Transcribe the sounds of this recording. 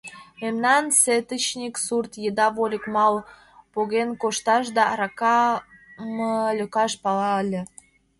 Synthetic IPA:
memnɑnset̪ət͡ɕnʲiksurt̪jəd̪ɑβolʲə̆kmɑl | poɣenkoʃt̪ɑʃ̬d̪ɑɾɑkɑ | məlʲøkɑʃpɑlɑəlʲĕ

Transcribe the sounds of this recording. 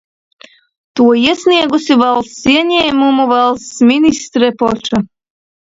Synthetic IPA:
t̪uɔiɛsniɛɡusivɛlˠsiɛɲʲɛːmumuvɛlˠst̪sminist̪ɾɛpɔt͡ʃa

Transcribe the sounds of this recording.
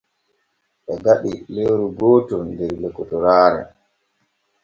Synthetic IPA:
ɓɛɡaɗilewɾuɡɔːtɔndɛɾlɛkːɔtɔɾaːɾɛ̰

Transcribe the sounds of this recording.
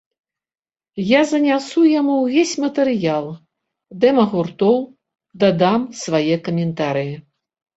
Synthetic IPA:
jazɐnʲasujamuwvʲesʲmɐt̪ɨɾɨjalˠ | d̪ɛmɐɣurt̪ɔw | d̪ad̪amsvajɛkɐmʲɛnt̪aɾɨji

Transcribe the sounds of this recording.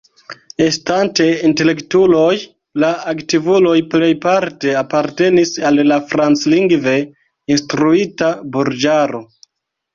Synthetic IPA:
e̞stante̞inte̞le̞ktulo̞j | laaktivulo̞jple̞jpaɾte̞apaɾte̞nisalːafɾant͡sliŋɡve̞ | instɾuitabuɾd͡ʒaɾo̞

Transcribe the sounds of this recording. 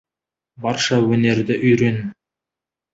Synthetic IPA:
bɑɾʃɑwɵne̞ɾd̪ɪʔʏjɾen

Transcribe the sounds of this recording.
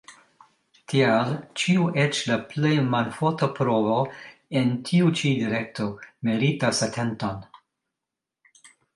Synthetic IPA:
tʰialt͡ʃiuʔet͡ʃlaplejmanfotopɾovoentʰiut͡ʃidiɾek̚tʰomeɾitasatʰenton

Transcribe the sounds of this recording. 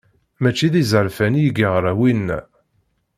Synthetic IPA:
mæt͡ʃːiðizəɾfænjəɡiʁɾˤawinːæ̰

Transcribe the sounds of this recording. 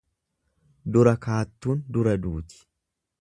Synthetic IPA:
d̪ʊɾɐkaːt̪ːuːnd̪ʊɾɐd̪uːt̪ɪ̥

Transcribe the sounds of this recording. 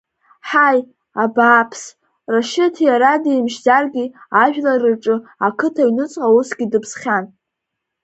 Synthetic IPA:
ħaj | abaːpʰs | raʃɪtʰjaɾadimʃzarɡʲiaʒᶣlarɨʈ͡ʂʼɨakʰɨtʰainɨt͡sʼqʼausɡʲidɨpʰsχʲan

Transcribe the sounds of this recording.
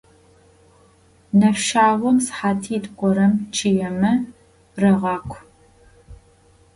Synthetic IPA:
nɐfʃaːwʷɔmsħaːtʰiːtʼɡʷʼɔɾɐmt͡ʃʰijɛmɐ | rɐʁɑːkʷʰ

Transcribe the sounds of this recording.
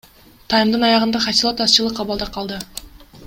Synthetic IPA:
t̪ʰɑjmd̪ɯnɑjɑʁənd̪ɑχɑsilˠot̪ɑst͡ʃɯlˠəqːɑbɑlˠd̪ɑqʰɑlˠd̪ɯ

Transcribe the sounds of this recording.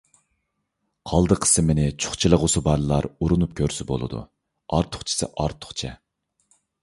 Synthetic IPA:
qʰɑlˠd̪əqʰə̥sɨmenɪt͡ʃʰu̥χt͡ʃʰilˠəʁʊsubɑɾlˠɑɾuɾunup̚kʲʰøɾsɪbo̰lˠɨ̰d̪ṵ | ɑɾt̪ʰʊ̥χt͡ʃʰi̥sɪ̰ʔɑɾt̪ʰʊ̥χt͡ʃʰɛ

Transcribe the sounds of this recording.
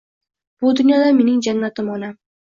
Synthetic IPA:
b̥ʊd̪ʊnjɒd̪ame̞nɪŋd͡ʒanːat̪ɪmɒnam

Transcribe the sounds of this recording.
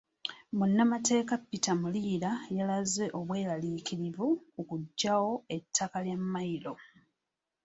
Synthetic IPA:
munːamate̞ːkapːitamuliːɾajalaze̞ʔo̞βwe̞ːlaliːkiɾivukukuɟːawo̞e̞tʰːakaljamːailo̞

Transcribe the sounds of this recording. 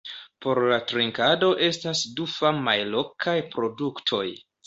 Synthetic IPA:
po̞ɾlatɾiŋkado̞ʔe̞stasdufamajlo̞kʰajpɾo̞duktʰo̞j

